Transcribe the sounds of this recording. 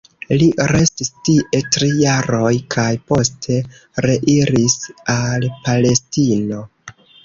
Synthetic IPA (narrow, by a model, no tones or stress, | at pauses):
liɾe̞stistiʔe̞tɾijaɾo̞jkʰajpo̞stʰe̞ | ɾe̞ʔiɾisalpale̞stino̞